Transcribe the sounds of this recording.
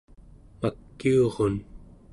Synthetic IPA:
makːioʁon

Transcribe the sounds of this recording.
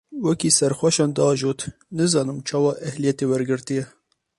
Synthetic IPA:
wɛkiːsɛɾxʷɛʃɑːnd̪ɑːʒoːt̪ | nɨzɑːnɨmt͡ʃʰɑːwɑːʔɛhlijɛt̪eːwɛɾɡɨɾt̪ɨjɛ

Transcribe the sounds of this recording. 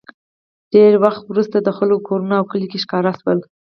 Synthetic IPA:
ɖ̥eɾwaxt̪wɾust̪ad̪əxəlokʰoɾunaawkəlikeʃkɑɾaswəl

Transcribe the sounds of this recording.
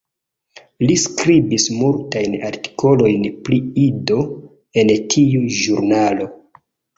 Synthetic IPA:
liskɾibismultajnaɾti̥kʰo̞lo̞jnpliido̞ | e̞ntʰiuʒuɾnalo̞

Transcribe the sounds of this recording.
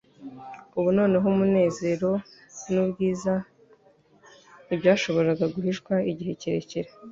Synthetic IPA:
uβuno̞ːne̞ɦumune̞ːze̞ːɾo̞nubɡiːza | ibɟaːʃo̞βo̞ɾaɡaɡuɦiʃkwaiɟiɦeciɾeciɾe

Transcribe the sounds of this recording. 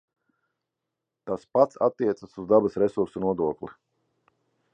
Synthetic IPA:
t̪aspat̪sa̰t̪ːiɛt̪sasuzd̪abasɾɛsuɾsunuɔd̪uɔkli

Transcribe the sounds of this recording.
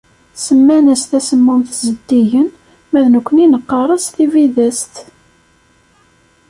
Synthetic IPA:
səmːænæst̪æsəmːʊmθzəd̪ːiʝən | mæðnəkʷːəninəqːɑɾˤɑst̪iviðæst̪

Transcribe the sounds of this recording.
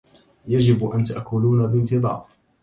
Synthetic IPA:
jad͡ʒɪbʔant̪aʔkʊluːnabɪnt̪ɨðˤɑ̰ːɾ

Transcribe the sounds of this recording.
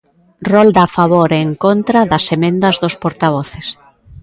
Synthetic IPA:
rɔld̪afaβoɾeŋkont̪ɾɐðɐsemẽnd̪ɐzðospoɾt̪aβ̞ɔθes

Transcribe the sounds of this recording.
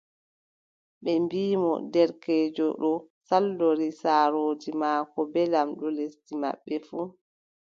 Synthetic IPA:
ɓɛmbiːmɔ̰dɛɾkɛːd͡ʒɔɗɔ | salːoɾisaːɾoːd͡ʒimaːkɔbɛlamɗɔlestima̰ɓːɛfu

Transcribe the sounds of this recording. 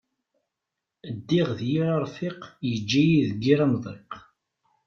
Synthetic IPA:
əd̪ːiʁðjiɾɑɾˤfiqjəd͡ʒːæjiðɡːiɾæmðˤɾɪq

